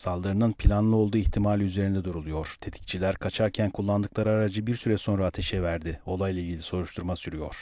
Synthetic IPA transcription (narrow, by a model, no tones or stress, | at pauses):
salˠd̪ɯɾɯnɯnpʰilʲanlˠɯo̞lˠd̪uːiçt̪ʰimaːlʲiyze̞ɾind̪ɛd̪uɾulˠujo̞ɾ̥t̪ʰe̞t̪ʰi̥c̚t͡ʃʰilʲæɾkʰat͡ʃʰaɾcʰænkʰulˠːand̪ɯklˠaɾaaɾad͡ʒɯbiɾsyɾɛso̞nɾaːt̪ʰe̞ʃɛvæɾd̪ɪo̞lˠajlˠailʲɟilʲiso̞ɾuʃt̪ʰuɾmasyɾyjo̞̰ɾ̥